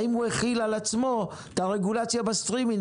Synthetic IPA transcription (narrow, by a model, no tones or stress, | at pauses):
imueχilalat͡smo̞ | t̪aʁe̞ɡulat͡sjabast̪ʁimin